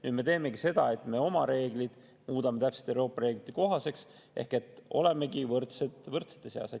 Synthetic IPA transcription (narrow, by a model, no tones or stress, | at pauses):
nyːd̪me̞t̪e̞ːme̞kise̞d̪̥ɑe̞t̪ːme̞o̞mɑɾe̞ːɡ̥lid̪̥ | muːd̪ɑme̞t̪æpse̥t̪ːˑewro̞ːpːˑɑɾe̞ːɡ̥lit̪ːˑi̥ko̞ɦɑse̞ks | ʔe̞̰hke̞t̪ːo̞̰le̞me̞kivɤrt̪set̪vɤrt̪se̥t̪ːˑeseɑ̰se